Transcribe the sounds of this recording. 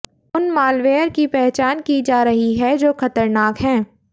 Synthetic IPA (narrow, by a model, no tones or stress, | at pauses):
ʊnmaːlʋeːəɾkipɛɦt͡ʃaːnkid͡ʒaːɾɐɦiɦɛd͡ʒoːxɐt̪əɾnaːkɦɛ̃ː